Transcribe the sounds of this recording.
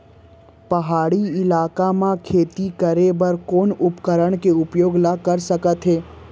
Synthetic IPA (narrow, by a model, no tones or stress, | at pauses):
pɐɦaːɽiɪlaːkamãkʰeːt̪ikɐɾebɐɾkoːnʊpkəɾəɽ̃keʊpjoːɡnakɐɾsɐkət̪ɦeː